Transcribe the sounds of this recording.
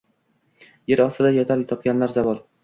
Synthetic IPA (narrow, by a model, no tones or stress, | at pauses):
jeɾɒst̪ɪd̪ajɒt̪ʰaɾt̪ʰɒp̚ɡʲanlaɾzavɒlˠ